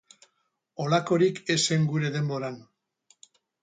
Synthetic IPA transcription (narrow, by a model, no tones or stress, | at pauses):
olako̞ɾike̞se̞ŋɡuɾe̞ðe̞mbo̞ɾan